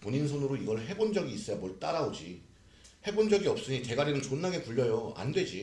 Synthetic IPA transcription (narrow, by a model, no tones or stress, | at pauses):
poɲinsʰonɯɾoiɡʌɭɦe̞bond͡ʑʌɡiːs͈ʌjamwʌɭt͈aɾaod͡ʑi | he̞bond͡ʑʌɡiʌp̚s͈ɯɲite̞ɡaɾenɯnt͡ɕonːaɡe̞puʎːʌjoa̰ndwe̞d͡ʑi